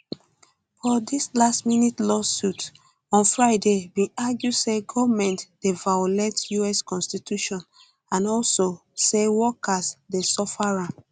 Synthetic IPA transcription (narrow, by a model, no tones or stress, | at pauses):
fɔdislastminitlɔsut | ɔ̃nfɹaɪdebĩaɡjuseɡɔvmɛ̃ntd̥evajolɛtjuɛskɔ̃nstitʰuʃɔ̃n | ãnɔlso | sewɔkasdesɔfaɹãn